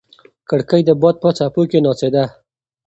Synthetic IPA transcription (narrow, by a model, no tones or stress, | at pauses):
kəɽkəjd̪əbɑd̪̚pət͡sapokenɑsed̪a